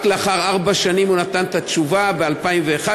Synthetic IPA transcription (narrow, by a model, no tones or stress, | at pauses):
kleaχaʁaʁbaʃanimunat̪ant̪att͡ʃuvabealpaimve̞ːχa